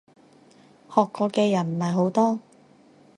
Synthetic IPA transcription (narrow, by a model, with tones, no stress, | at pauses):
hɔː˨kːɔː˧kɛː˧jɐ˨˩nm̩˨˩mɐ˨˩jɦo˨˥wt̪ɔː˥